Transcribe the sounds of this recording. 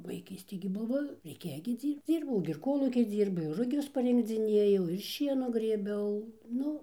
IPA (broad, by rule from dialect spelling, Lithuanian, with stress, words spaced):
ʋɐɪˈkʲiːsʲtʲeː ɡʲɪ ˈbʊʋoː rʲɛɪˈkʲeːjoː ɡʲɪ ˈd͡zʲiːrpt͡s ˈd͡zʲiːrbɐʊ ɡʲɪ ɪr ˈkoːlˠuːkʲiː ˈd͡zʲiːrbʊ ɪr rʊˈɡʲʊs pɐrʲɪŋɡd͡zʲɪˈnʲeːjɛʊ ɪr ˈʃʲiɛnuː ɡrʲeːˈbʲɛʊ ˈnʊ